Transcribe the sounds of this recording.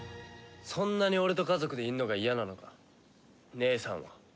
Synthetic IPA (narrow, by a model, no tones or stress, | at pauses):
sõ̞nːaɲ̟io̞ɾe̞t̪o̞kazo̞kɯ̟d̪e̞iɯ̟nːo̞ɡaijanano̞ka | ne̞ːsã̰ɰ̃βa̰